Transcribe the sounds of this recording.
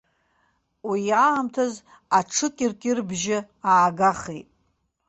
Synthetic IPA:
wiaːmtʰaz | aʈ͡ʂʰɨkʲʼɪrkʲʼɪrbʒɪ | aːɡaχejtʼ

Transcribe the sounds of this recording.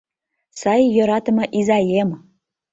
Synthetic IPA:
sɑjːŏɾɑt̪ə̆mɤ̆ʔizɑjem

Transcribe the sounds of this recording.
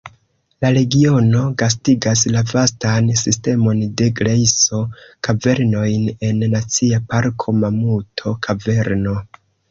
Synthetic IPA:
laɾe̞ɡio̞no̞ɡas̬tiɡas̬lavastansiste̞mo̞nde̞ɡɾejso̞kave̞ɾno̞jne̞nːat͡siapaɾkʰo̞mamutʰo̞kʰave̞ɾno̞

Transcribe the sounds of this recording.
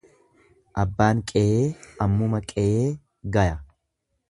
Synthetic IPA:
ʔɐbːaːŋkʼɛʔeːɐmːʊmɐkʼɛʔeː | ɡɐjɐ

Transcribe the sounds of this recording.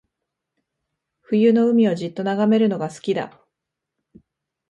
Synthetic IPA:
ɸɯ̟jɯ̟no̞ɯ̟mʲio̞ʑit̪ːo̞naɡame̞ɾɯ̟no̞ɡasɨ̥kʲid̪a̰

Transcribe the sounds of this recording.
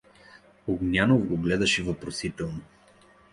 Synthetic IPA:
oɡnʲanovɡoɡlɛd̪ɐʃɛvopɾosit̪ɛlˠno

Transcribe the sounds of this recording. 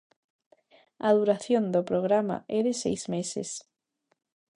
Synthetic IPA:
að̞uɾaθjond̪opɾoɣ̞ɾama̰ʔɛðesejzmesḛs

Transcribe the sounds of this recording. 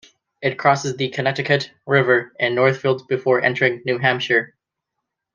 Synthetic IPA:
ɨt̚kʰɹ̥ɔsɨzðɨkʰɨnɛtɨkʰɨtɹɪvə˞ɨ̃nːɔɹθfilˠdzbɨfɔɹʔɛ̰̃ntʰə˞ɪ̃ŋnʉɦæ̃mʃə˞

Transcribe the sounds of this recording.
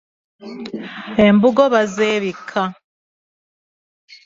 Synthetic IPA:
embuɡo̞βazeβikʰa

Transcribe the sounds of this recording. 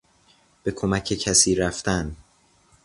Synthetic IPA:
b̥e̞kʰo̞mæcʰe̞cʰæsiːɾæft̪æn

